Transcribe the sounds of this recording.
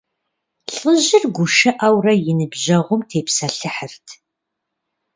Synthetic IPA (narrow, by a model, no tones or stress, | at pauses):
ɬəʑɪrɡʷʊʃɨʔɐwrɐjɪnɨbʑɐʁʷʊmtʰeːpsɐɬɨħərtʰ